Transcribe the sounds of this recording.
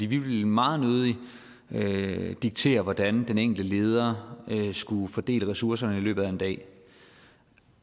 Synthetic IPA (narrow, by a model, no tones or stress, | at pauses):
fd̥ḭːʋiʋe̝lmɑ̈ːð̞̩ˠnøːð̩ˠi | ød̥iɡ̥̚t͡sʰe̝̰ːɐʋɒd̥ænd̥eneŋ̰ɡ̥ld̥əle̝ːð̞ˠɐsɡ̥ufɒd̥e̝̰ːləʁɛsuɐsɐnəilø̰ːb̥ð̩ˠæe̝nd̥ɛ̰ː